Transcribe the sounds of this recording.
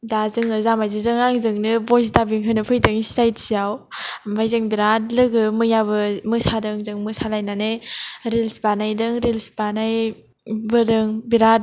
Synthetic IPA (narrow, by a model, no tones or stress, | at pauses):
dazɯŋɯzamajzizɯŋaŋzɯŋnɯbɔzdabiŋɦʰɯnɯpʰɯjdɯŋssajtsijawmajzɯŋbiɾatlɯɡɯmɯjabɯmɯsadɯŋzɯŋmɯsalajnaneɾelsbanajdɯŋɾilsbanaj | bɯdɯŋbiɾat̚